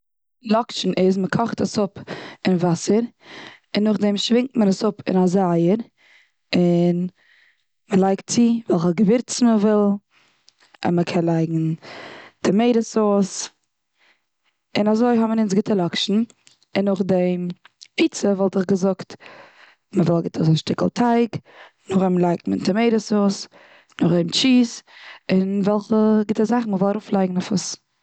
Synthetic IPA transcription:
lˠɔkʃn̩ʔɪzməkʰɔχtəsʊpɪnvasəɾ | ɪnːʊχdɛmʃvɪŋk̚tmənəsʊpɪ̰nazaaəɾ | ɪn | məlˠaɪktt͡sivɛlˠχəɡəvɪɾt͡sn̩məvɪlˠ | ɪ̰nməkʰɛnlˠaɪɡŋ̩ | d̥ɪmeɪɾəsoːs | ɪnazoɪɦɔmənɪnsɡɪtəlˠɔkʃn̩ | ɪnːʊχdempʰiːt͡səvɔlˠtɪχɡəzʊkt | məvɪlˠɡɪtʰəzaʃtɪkl̩ˠtʰaɪk | nʊχɛmlˠaɪk̚mɪntəmeɪɾəsoːs | nʊχdɛmt͡ʃiːsɪnvɛlˠχəɡɪtəzaχn̩məvɪlˠaɾuːflˠaɪɡŋ̩afʊs

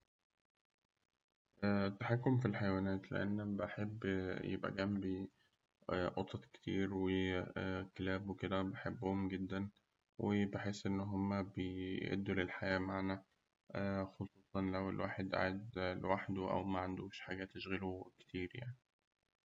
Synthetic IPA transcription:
ʔæːt̪ːaħakːomfilħajwæːnæːt̪lḛʔḛnːæbeħebːjḛbʔæ̰ɡæmbi | ʔot̪ˤɑt̪ke̥t̪iːɾwe | kelæːbweked̪æbeħebːohomɡed̪ːæn | wʔebeħeːsʔenːɦomːæbeʔḛd̪ːulelħajæːmaʕnæ | xosˤuːsˤɑnlæwelwaːħed̪ʔa̰ʕed̪waːħd̪uʔæ̰wmæʕand̪oːʃħaːɡæt̪ːeʃɣæluke̥t̪ʰiːɾja̰ʕni

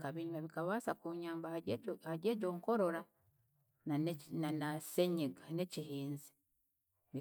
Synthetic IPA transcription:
kaβiɲumaβikaβaːsakuɲaːmbahaɾeːɟoːŋko̞ɾo̞ɾa | nananaseɲiɡane̞cihiːnzi̥ | βi

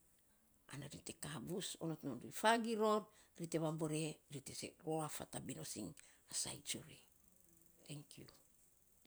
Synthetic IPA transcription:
a̰naɾite̞kabusonot̪nonduifaɡiɾo̞ɾɾite̞βaboɾeɾitesḛɾoafa̰tabinosiŋasa̰jt͡ʃuɾi | t̪eŋkju

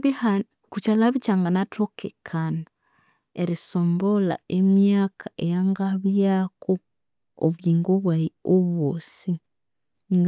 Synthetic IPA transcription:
a | kut͡ʃalaβit͡ʃaːŋɡanatʰokʰekʰana | eɾisoːmbola̰emjaːkʰaʔejaŋɡaβjako | o̰βɡiːŋɡoβwaioβosi | ŋɡ

